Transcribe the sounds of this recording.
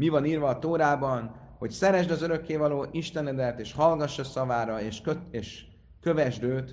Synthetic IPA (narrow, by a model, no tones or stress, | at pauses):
mivɒniːrvɒːt̪oːɾaːbɒn | ho̞csɛɾɛʒd̪ɒzøɾø̞kːeːvɒloːʔiʃt̪ɛnːɛd̪ɛrt̪eːʃhɒlɡɒʃːɒsɒvaːɾɒeʃøeːʃ | kø̞vɛʒd̪øːt̪